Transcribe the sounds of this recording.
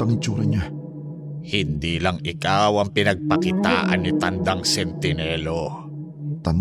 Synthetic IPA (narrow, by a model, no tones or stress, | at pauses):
ɐŋɪnt͡ʃuːɾɐɲa | hɪnd̪iːlɐŋʔɪkawɐŋpɪnɐɡ̚pɐkɪt̪a̰ːʔɐ̰nːɪt̪ɐnd̪aŋsɛnt̪ɪnɛːlo | t̪ɐn